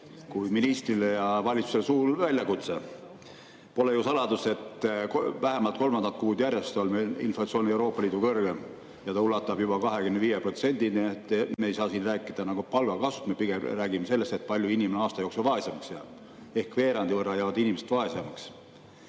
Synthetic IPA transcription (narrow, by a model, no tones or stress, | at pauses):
kujminist̪rilejɑvɑlʲit̪su̥selsuːlvælʲjɑkut̪se̞ | po̞le̞jusɑlɑd̪use̞t̪kvæɦemɑlt̪̚ko̞lmɑnd̪ɑt̪̚kuːd̪jærʲjest̪olmeḭnflɑt̪sio̞ːniewɾo̞ːpˑːɑliːd̪ukɤrɡ̥em | jɑt̪ɑulːɑt̪ːˑɑb̥jubɑkɑɦe̞kymneviːjepro̞t̪se̞nʲd̪̥iniet̪ːemeːjsɑːsiːnræːkːˑid̪ɑnɑɡ̥upɑlɡ̥ɑkɑsust̪mepiɡ̥emræːɡimese̞lːe̞st̪e̞t̪̚pɑlʲjuinʲimeneɑːst̪ɑjoksevɑe̞semɑksjɑ | e̞hkve̞ːɾɑnd̪ivɤrːɑjæːvɑd̪inʲimese̥t̪vɑe̞semɑks